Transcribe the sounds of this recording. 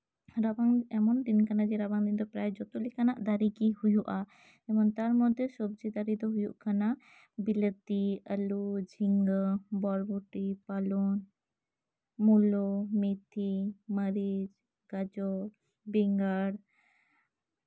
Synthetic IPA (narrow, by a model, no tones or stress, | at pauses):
ɾabaŋɛmɔnd̪inkanad͡ʒɛɾabaŋd̪ind̪ɔpɾajd͡ʒɔt̪ulikanaʔd̪aɾikihujuʔa | ɛmɔnt̪aɾmɔd̪ʱːesɔbd͡ʒid̪aɾid̪ɔɦujuʔkʰana | bilət̪iəlud͡ʒʱiŋɡəbɔɾbuʈipalɔn | mulɔmit̪ʰiməɾid͡ʒ | ɡ̥ad͡ʒɔ | biŋɡaɽ